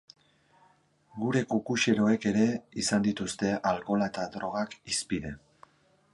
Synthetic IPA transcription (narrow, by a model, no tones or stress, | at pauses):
ɡuɾe̞kukuʃe̞ɾo̞eke̞ɾe̞isand̪it̪ust̪e̞ʔalko̞lae̞t̪ad̪ɾo̞ɣ̞akispiðe̞